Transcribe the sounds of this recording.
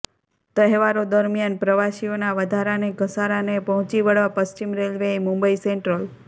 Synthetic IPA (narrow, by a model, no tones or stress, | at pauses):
t̪əɦʋaɾod̪əɾmjanpɾəʋaʃionaʋəd̪ʱaɾaneɡəsaɾanepəɦɔ̃t͡ʃiʋəɽʋapəst͡ʃimɾelʋeimumbəiseɳʈɾəl